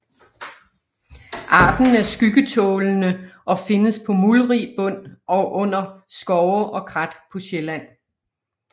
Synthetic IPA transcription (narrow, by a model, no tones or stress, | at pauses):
ʔɑ̰̈ːd̥n̩æɐsɡ̥yɡ̥ət͡sʰɔ̽ːlnəʔɒ̽fe̝nəspʰɒ̽mulʁib̥ɔ̽n̰ɒʔɔ̽n̰ɐsɡ̥ɒʊʔɒ̽kʰʁɑd̥pʰɔ̽ɕelæn̰